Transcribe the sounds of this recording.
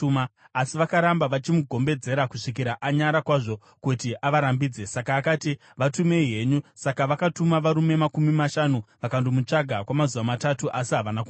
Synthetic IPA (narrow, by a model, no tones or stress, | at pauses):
maː | siʋakaɾambaʋat͡ʃimuɡʱo̞mbe̞d͡ze̞ɾakuʂikiɾaʔaɲaɾakwaʐo̞ | kutiʔaʋaɾambiːd͡ze̞sakaːkaːti | ʋatumeiɦe̞ɲusakaʋakatumaʋaɾume̞makumimaʃanuʋakandomut͡ʂaɡʱakwamazuʋamatatuʔasiɦaʋanaku